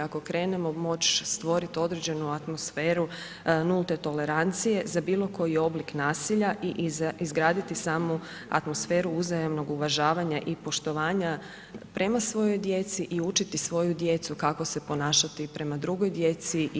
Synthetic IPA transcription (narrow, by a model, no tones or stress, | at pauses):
ako̞kɾe̞ːne̞mo̞mo̞t͡ʃst̪ʋo̞ɾit̪io̞d̪ɾed͡ʑe̞nuat̪mo̞sfeːɾu | nulˠt̪e̞t̪o̞le̞ɾant̪sije̞zabiːlˠo̞ko̞jio̞bliknaːsiʎaʔiʔizɡɾaːd̪it̪isaːmu | a̰t̪mo̞sfe̞ːɾuuzajamno̞ɡuʋaʒaːʋaɲaʔipo̞ʃt̪o̞ʋaːɲa | pɾʔe̞masʋo̞jo̞jd̪jet̪siʔiut͡ʃit̪isʋo̞jud̪je̞t̪sukako̞se̞po̞naːʃat̪ipɾe̞mad̪ɾuɡo̞jd̪je̞t̪si